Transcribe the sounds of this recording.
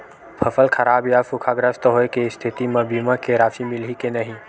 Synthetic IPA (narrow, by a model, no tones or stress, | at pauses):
pʰəfəlkʰɐɾaːbjaːfʊkʰaɡɾəst̪ɦoːekest̪ʰɪt̪imɐbimãkeɾaːʃimɪlikenɐɦĩ